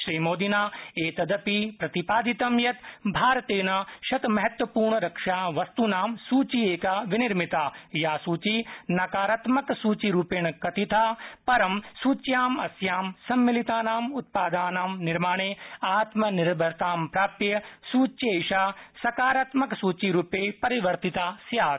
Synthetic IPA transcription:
ʃɾiːmoːd̪inaːeːt̪ɐd̪ɐpipɾɐt̪ipaːd̪it̪ɐmjɐt̪bʱaːɾɐt̪eːnaːʃɐt̪mɐɦɐt̪wʋɐpuːɾɳɐɾɐkʂaːʋɐst̪unaːmsuːt͡ʃieːkaːʋɪniɾmit̪aːjaːsuːt͡ʃinɐkaːɾat̪mɐksuːt͡ʃiɾuːpeɳkɐt̪it̪ʰaːpɐɾɐmsuːt͡ʃjaːmɐsjaːmsɐmːilit̪aːnaːmʊt̪̚paːd̪aːnaːmnɪɾmaːɳ̃eːaːt̪mɐnɪɾbʱɐɾt̪aːmpɾaːpɾjɐsuːt͡ʃeːʃaːsɐkaːɾɐt̪mɐksuːt͡ʃiɾuːpeːpɐɾiʋɐɾt̪it̪aːsjaːt̪

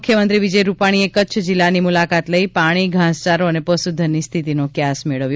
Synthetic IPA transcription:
kʰːjəmənt̪ɾiʋid͡ʒəjɾupaɽ̃iekətːt͡ʃʰd͡ʒɪlːanimulakat̪ləipaɽ̃iɡʱãst͡ʃaɾoənepəsud̪ʱːənːist̪ʰit̪inokjasmeɭəʋjo

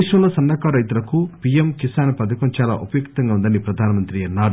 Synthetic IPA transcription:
ʂnɐ̃ulɐsɐnːɐkɐɾɐjt̪ulɐkupijemkisaːnɐpɐd̪ɐkɐnt͡ʃaːla̰ːʔupɐjukt̪ɐŋɡaːund̪ɐnipɾɐd̪ʱaːnɐmɐnt̪ɾiɐnːaːɾu

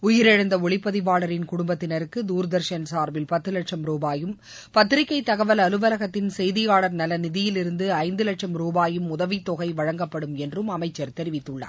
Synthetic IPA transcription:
ʊjɪɾɛɻɐnd̪ɐɔɭɪpːɐðɪbaːɭɐɾɪnkʊɽʊmbɐt̪ːɪnɐɾɯkːɯd̪uːɾd̪ɐɾʂɐnsaːɾʋɪlpɐt̪ːɯlɐʈʂɐmɾuːbaːjɯm | pɐt̪ːɪɾɪkːɐɪt̪ːɐɣɐʋɐlɐlɯʋɐlɐɣɐt̪ːɪnsɛjðɪjaːɭɐɾnɐlɐnɪðɪjɪlɪɾɯnd̪ɯɐɪnd̪ɯlɐʈʂɐmɾuːbaːjɯmʊðɐʋit̪ːɔɣɐɪʋɐɻɐŋɡɐpːɐɽɯmɛndrɯmɐmɐɪt͡ʃːɐɾt̪ɛɾɪʋɪt̪ːɯɭːɐa̰ː

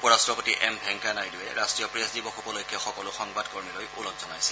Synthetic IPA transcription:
pɔɹastɹɔpotiʔɛmbʱɛŋkanajduwɛɹastɹijɔpɹesdibɔkʰɔpɔlojkʰːɛxɔkɔlʊxɔŋbadkoɹmilojulɔkzɔnajsɛ̥

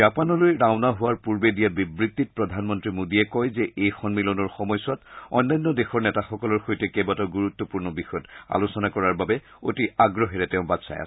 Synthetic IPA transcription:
apanɔlojɹaʊnaɦʊwaɹpuɹbedijabibɹit̪ːit̚pɹɔdʱanmɔntɹimodiɛkɔjzɛʔejxɔnmilɔnɔɹxɔmɔjsɔtɔ̰jnːajnːɔdexɔɹnɛtaxɔkɔlɔɹxojtɛkɛbataɡuɹut̪ːɔpuɹnɔbixɔjɔta̰losɔnakɔɹaɹbabɛ | otiaɡɹɔɦɛɹɛtɛʊ̃batsa̰ja̰

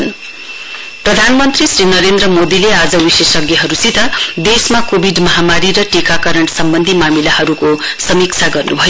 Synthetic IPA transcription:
n | prʌd̪ʱanmʌnt̪risɾinʌɾend̪ɾʌmod̪ilead͡zʌwisesʌɡjʌɦʌɾusit̪ʰʌd̪esmakobʱiɖmʌɦamaɾiɾʌʈikakʌɾʌɳʈsʌmbʌnd̪ʱimamilahʌɾukosʌmik̚t͡sʰaɡʌrnubʱʌjo

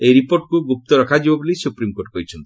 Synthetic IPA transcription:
eɾipoɾʈkuɡup̚t̪ɔɾɔkʰad͡ʒibabulisupɾimkoɾʈ̚kɔit͡ʃʰɔnt̪i̥

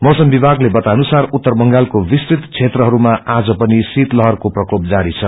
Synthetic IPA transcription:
mʌsʌmbibʱaɡlebʌt̪anusarut̪ːʌrbʌŋɡalkobisrit̪t͡sʰet̪rʌɦʌɾumaʔad͡zʌpʌnisit̪lʌɦʌrkoprʌkop̚d͡zaɾit͡sʰʌ

